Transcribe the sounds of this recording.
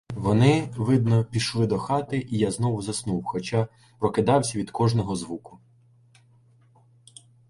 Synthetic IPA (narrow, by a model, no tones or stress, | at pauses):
ʋɔnɪʋɪd̪nɔpʲiʃlˠɪd̪ɔxɑt̪ɪʔijaznɔwʊzɐsnuwxɔt͡ʃɑ | pɾɔkɪd̪ɑwsʲɐʋʲid̪kɔʒnɔɦɔzʋukʊ̥